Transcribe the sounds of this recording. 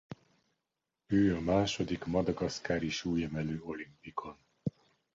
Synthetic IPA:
øːɒmaːʃo̞d̪ikmɒd̪ɒɡɒskaːɾiʃuːjɛmɛløːo̞limpikʰo̞n

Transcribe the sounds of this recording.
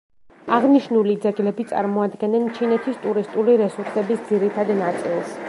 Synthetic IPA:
aʁniʃnulid̪zɛɡlɛbit̪sʼa̰ɾmɔad̪ɡɛnɛnt͡ʃʰinɛt̪ʰist̪ʼuɾist̪ʼuliɾɛsuɾsɛbisd̪ziɾit̪ʰad̪nat̪sʼilˠs

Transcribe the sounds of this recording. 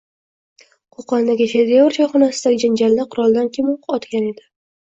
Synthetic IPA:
qʰoqʰɒnd̪aɡʲɪʃed̪ejɒɾʃʰɒχɒnasɪd̪aɡʲɪd͡ʒand͡ʒalːaqʰʊɾɒlˠd̪ankʲʰimoɒt̪kʲane̞d̪ɪ

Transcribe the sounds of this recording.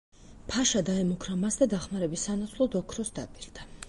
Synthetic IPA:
pʰaʃad̪aɛmukʰɾamasd̪ad̪aχmaɾɛbisːanat̪sʰlˠɔd̪ɔkʰɾɔsd̪a̰pʼiɾd̪̥a

